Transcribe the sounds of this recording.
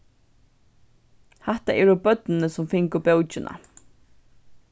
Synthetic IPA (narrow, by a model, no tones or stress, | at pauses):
hɛht̪aʔɛɾɔbœt̪nɪnəsʊmfɪŋkʊbɛwt͡ʃɪna̰